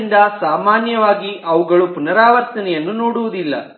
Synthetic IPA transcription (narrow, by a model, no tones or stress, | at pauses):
nd̪ɐsaːmaːnjɐʋaːɡiʔɐʋuɡɐɭupunɐɾaːʋɐɾt̪ɐnɛjɐnːunoːɽuʋud̪ilːɐ̰